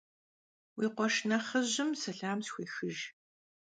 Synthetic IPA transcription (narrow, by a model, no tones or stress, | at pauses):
wiːqʷɔʃnɐχɐʑɪmsɐɬaːmsxʷeːxɨʒ